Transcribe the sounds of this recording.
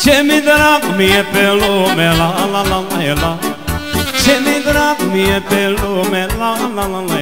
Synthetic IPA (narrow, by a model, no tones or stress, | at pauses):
t͡ʃʰɛmĩd̪əɾakumiɛpɛlomɛlalalalajla | t͡ʃʰɛmĩd̪əɾakumiɛpɛlomɛlalalala